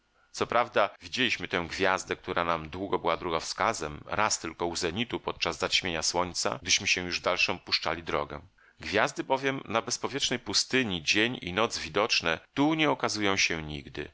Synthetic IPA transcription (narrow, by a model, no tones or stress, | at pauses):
sɔpɾʔavd̪avʲid͡ʑelʲiɕmɘt̪ɛ̃w̃ɡvʲjazd̪ɛk̚t̪uɾʔanamd̪wuɡɔbɘwad̪ɾuɡafskazɛmɾast̪ɘlkɔuzɛɲit̪upɔt̪̚t͡ʂazːaɕmʲjeɲaswɔɲt̪sa̰ɡ̚d̪ɘɕmɘɕɛ̃juʐd̪alʂɔ̃puʂt͡ʂa̰lʲid̪ɾɔɡɛ̃ | ɡvʲjazd̪ɘbɔvʲjɛmnabɛspɔvʲjɛt͡ʂnɛjpust̪ɘɲid͡ʑeɲḭnɔd̪zvʲid̪ɔt͡ʂnɛt̪uɲɛɔkazujɔ̃w̃ɕɛɲḭɡd̪ɘ̰